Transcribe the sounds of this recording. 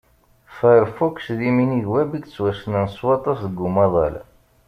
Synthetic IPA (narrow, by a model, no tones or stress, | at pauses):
fəɾfuksðiminiðwæbiɡt͡sːwæsənænswɑt̪ˤɑsðəɡumɑðˤɑ̰læ̰